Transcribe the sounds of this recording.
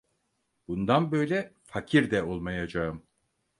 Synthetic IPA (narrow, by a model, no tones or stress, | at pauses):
b̥und̪anbø̞jlʲɛfacʰiɾd̪ɛo̞lˠmajad͡ʒaɯm